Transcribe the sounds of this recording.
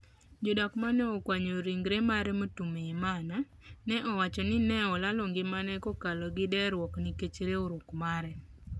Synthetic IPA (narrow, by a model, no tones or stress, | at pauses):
d͡ʒodakmanɛɔkwaɲoɾiŋɡɾemaɾɛmotumeimana | nɛʔɔwat͡ʃɔnɪnɛɔlaloŋɡɪmanɛkokalɔɡɪdɛɾwɔkniket͡ʃɾeoɾokmaɾɛ